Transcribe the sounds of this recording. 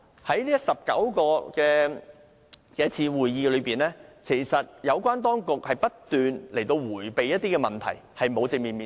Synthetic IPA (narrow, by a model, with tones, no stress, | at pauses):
hɐ˨˥jliː˥jɐ˥sɐ˨p̚kɐ̰˨˥wkɔː˧kɛː˧ | kɛː˧˥t͡sʰiː˧wuː˨˩jjiː˧lɵ˨˧ɥpiː˨˩nlɛː˥kʰe˨˩jsɐ˨t̚jɐ˨˧wkʷaː˥nt̪̬ɔː˥ŋkʊ˨k̚hɐ˨jpɐ˥t̚t̪yː˨nle˨˩jt̪o˧wwuː˨˩jpe˨jɐ˥t̚t̪iː˥kɛː˧mɐ˨nt̪ʰɐ̰˨˩jhɐ˨jmo˨˧wt͡sɪ˧ŋ̚miː˨˩nmiː˨